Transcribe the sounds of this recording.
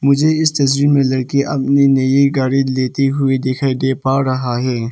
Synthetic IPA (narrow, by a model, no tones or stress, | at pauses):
mʊd͡ʒʱeɪst̪ɐs̬ɾimẽlɐɽkeʔɐp̚ninɐjiɡaːɽid̪leːt̪eɦʊed̪eːkʰed̪eːpaːɾɐɦaɦɛː